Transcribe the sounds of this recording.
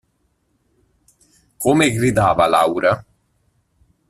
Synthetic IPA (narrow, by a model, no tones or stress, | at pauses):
komeɡɾid̪aːvalawɾa